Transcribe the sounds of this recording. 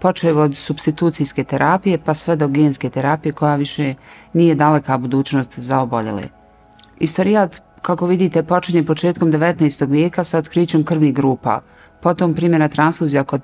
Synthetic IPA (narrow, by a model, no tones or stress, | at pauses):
po̞t͡ʃeʋod̪subst̪it̪uːt̪sijske̞t̪eɾʔapije̞pasʋed̪o̞ɡeːnske̞t̪eɾapije̞ko̞jaʋiʃe̞niːje̞d̪alekabud̪uːt͡ɕno̞st̪zaobo̞ʎḛlḛ | ist̪oɾiat̪ | kako̞ʋid̪iːt̪e̞po̞t͡ʃiɲe̞po̞t͡ʃe̞ːt̪ko̞md̪eʋet̪naest̪o̞ɡʋjeːkasaot̪kɾiːt͡ɕo̞mkr̩ʋniɦɡɾuːpa̰ | po̞t̪o̞mpɾiːmje̞nat̪ɾansfuːzijako